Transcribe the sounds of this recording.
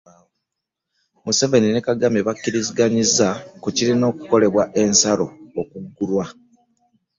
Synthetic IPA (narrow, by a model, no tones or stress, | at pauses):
muse̞ve̞nine̞kaɡameβakːiɾiziɡaɲizːakucilino̞ːkuko̞le̞βwaʔe̞nsaɾo̞ːkuɡːulwa